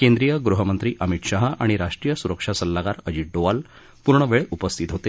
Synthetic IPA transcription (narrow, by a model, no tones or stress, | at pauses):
kend̪ɾijəɡɾuɦəmənt̪ɾiːʔəmit̪ɕaɦaʔaɽ̃iɾaʂʈɾijəsuɾəkʂasəlːaɡaɾəd͡ʑiɖoʋal | puɾɳəʋeɭupəst̪ʰit̪ɦot̪e